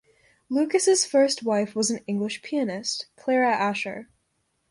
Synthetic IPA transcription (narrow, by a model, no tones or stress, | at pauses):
lʉkɨsɨz̥fɜ˞st̚waɪfwʌzn̩ɪ̃ŋɡlɨʃpʰiɨnɪstkʰl̥ɛɹɨʔæʃə̰˞